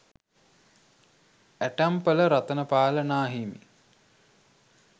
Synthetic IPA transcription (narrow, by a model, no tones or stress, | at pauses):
æʈæmpələɾat̪ənəpaːlənaːɦimḭ